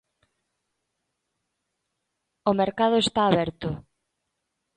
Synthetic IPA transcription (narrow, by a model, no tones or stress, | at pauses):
omeɾkað̞ʊest̪aːβɛɾt̪ʊ